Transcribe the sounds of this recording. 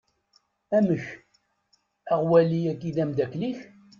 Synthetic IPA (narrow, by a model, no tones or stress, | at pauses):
æməç | æʁwæliækiðæmd̪ækliç